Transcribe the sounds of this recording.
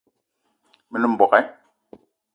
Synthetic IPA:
mi˦ni˦m̩˨bɔ˨kɛ˦

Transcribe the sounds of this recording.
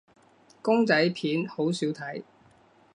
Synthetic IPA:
kʊ˥ŋt͡sɐ˨˥jpʰiː˨˥nho˨˥wsiː˨˥wt̪ʰɐ˨˥j

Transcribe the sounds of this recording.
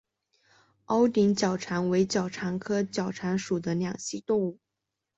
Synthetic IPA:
ɑ˥ʊt̪i˧˥ŋt͡ɕjɑ˨˩ʊʈ͡ʂʰa˧˥nwe˧˥ɪt͡ɕjɑ˨˩ʊʈ͡ʂʰa˧˥nkʰɤ˥t͡ɕjɑ˨˩ʊʈ͡ʂʰa˧˥nʂu˨˩d̪ə˦ljɑ˨˩ŋɕi˥t̪ʊ˥˧ŋu˥˩

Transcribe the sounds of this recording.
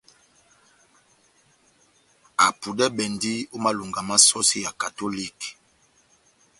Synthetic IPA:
a˨pu˨dɛ˦bɛ˨ndi˦o˦ma˦lu˨ŋɡa˨ma˦sɔ˦si˦ja˨ka˨to˦li˦˨k

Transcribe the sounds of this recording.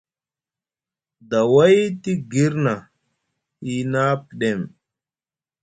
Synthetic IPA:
da˨wa˦jti˦ɡi˦ɾna˨ | i˨na˦pi˨ɗe˦˨m

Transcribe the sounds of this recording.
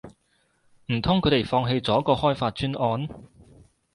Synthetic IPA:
m̩˨˩t̪ʰʊ˥ŋkʰɵ˨˧˥t̪e˨˩jfɔː˧ŋɦe˧jt͡sɔː˨˥kɔː˧hɔː˥jfaː˧t̚t͡ʃyː˥nɔː˧n

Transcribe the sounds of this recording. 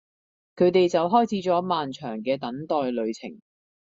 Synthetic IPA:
kʰɵ˨˧ɥt̪e˨jt͡sɐ˨wɦɔː˥jt͡sʰiː˨˥t͡sɔː˨˥maː˨nt͡ʃʰœː˨˩ŋkɛː˧t̪ɐ˨˥ŋt̪ɔː˨jlɵ˨˧ɥt͡sʰɪ̰˨˩ŋ

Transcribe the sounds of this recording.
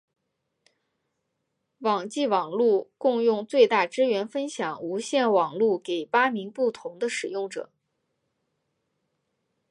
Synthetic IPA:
wɑ˨˩ŋt͡ɕi˥˩wɑ˨˩ŋlu˥˧kʊ˥˧ŋjʊ˥˧ŋt͡swe˥˧ɪt̪a˥˩ʈ͡ʂɻ̩˥ɥɛ˧˥nfə˥nɕjɑ˨˩ŋu˧˥ɕjɛ˥˩nwɑ˨˩ŋlu˥˩ke˨˩ɪpa˥mi˧˥ŋpu˥˩t̪ʰʊ˧˥ŋd̪ə˧ʂɻ̩˨˩jʊ˥˩ŋʈ͡ʂɤ̰˨˩˦

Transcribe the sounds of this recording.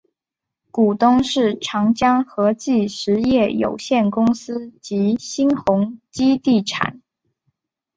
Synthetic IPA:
ku˨˩t̪ʊ˥ŋʂɻ̩˥˩ʈ͡ʂʰɑ˧˥ŋt͡ɕjɑ˥ŋxɤ˧˥t͡ɕi˥˩ʂɻ̩˧˥jɛ˥˩jo̰˨˩ʊɕjɛ˥˩nkʊ˥ŋsɹ̩˥t͡ɕi˧˥ɕi˥nxʊ˧˥ŋt͡ɕi˥t̪i˥˩ʈ͡ʂʰa̰˨˩˦n

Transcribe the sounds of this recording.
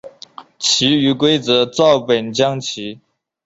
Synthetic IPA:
t͡ɕʰi˧˥y˧˥kwe˥ɪt͡sɤ˧˥t͡sɑ˥˩ʊpə˨˩nt͡ɕjɑ˥ŋt͡ɕʰi˧˥

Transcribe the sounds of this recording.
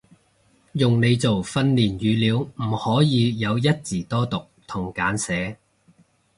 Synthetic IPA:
jʊ˨ŋne˨˧jt͡so˨˩wfɐ˧nliː˨˩njyː˨˧liː˨˧wm̩˨˩hɔː˨˥jiː˨˧jɐ˨˧wjɐ˥t̚t͡siː˨˩t̪ɔː˥t̪ʊ˨k̚t̪ʰʊ˨˩ŋkaː˨˥nsɛː˨˥

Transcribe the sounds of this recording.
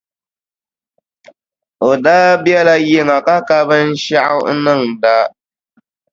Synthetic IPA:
o˨daː˦bjɛ˦la˦jɪ˦ŋa˨ka˦ka˦bɨ˦n̩˦ʃa˦ʔa̰˦nɨ˦˨ŋda˦

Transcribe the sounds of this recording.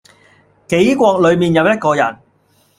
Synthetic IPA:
ke˨˥jkʷɔː˧k̚lɵ˨˧ɥmiː˨njɐ˨˧wjɐ˥t̚kɔː˧jɐ̰˨˩n

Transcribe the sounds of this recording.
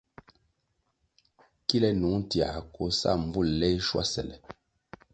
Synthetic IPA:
ki˦lɛ˦nu˨˦ti˨a˨ko˨˦sa̰˦˨m̩˨bu˦˨llɛ˦ʃwa̰˦sɛ̰˨lɛ˨

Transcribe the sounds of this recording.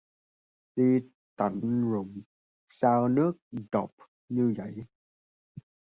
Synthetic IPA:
ɗi˧ | t̪a̰˨˩ŋɾʊ˨˩m | saː˧wnɨ˦˥ək̚ɗɔ˨˩p̚ | ɲɨ˧və̰˧˩˨j

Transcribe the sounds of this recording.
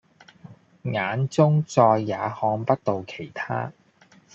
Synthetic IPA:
ŋaː˨˧nt͡sʊ˥ŋt͡sɔː˧jːaː˨˧hɔː˧ŋpɐ˥t̚t̪o˨wkʰe˨˩jt̪ʰa̰ː˥

